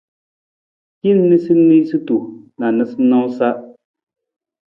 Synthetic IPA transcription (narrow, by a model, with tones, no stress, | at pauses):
ki˦nː˦ɨ˦si˦n˦mi˦sɨ˦tu˨na˨nɨ˨sɨ˦nã˦sa˦ʔ